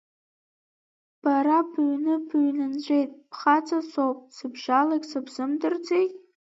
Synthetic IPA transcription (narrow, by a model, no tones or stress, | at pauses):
b̥aɾabɥnɨbɥnɨnd͡ʒʷʼe̞jtʼpʰχat͡sʰʼasowpʼsɨbʒalaɡʲsɨbzɨmdɨrd͡zejtʼ